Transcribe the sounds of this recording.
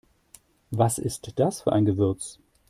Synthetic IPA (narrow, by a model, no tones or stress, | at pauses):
vasɪstd̥asfyːɐʔaɪnɡəvʏɐt͡s